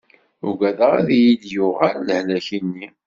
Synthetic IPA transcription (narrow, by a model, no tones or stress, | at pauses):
ʊ̰ɡʷæðəʁæ̰ðijiljʊʁaɾləhlæçinːi